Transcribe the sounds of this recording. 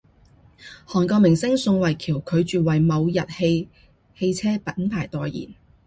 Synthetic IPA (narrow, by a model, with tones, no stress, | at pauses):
hɔː˨˩nkɔː˧mɪ˨˩ŋsɪ˥ŋsʊ˧ŋwɐ˨˩jkʰiː˨˩wkʰɵ˨˧ɥt͡ʃyː˨wɐ˨jmɐ˨˧wjɐ˨t̚he˧j | he˧jt͡sʰɛː˥pɐ˨˥npʰaː˨˩jt̪ɔː˨jjḭː˨˩n